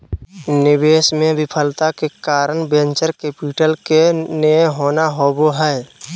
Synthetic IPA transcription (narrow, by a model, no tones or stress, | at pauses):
nɪbeːsmẽbɪpʰəlt̪akekaːɾəɳbẽnt͡ʃəɾkeːpɪʈəlkeneɦoːnaɦoːboɦɛː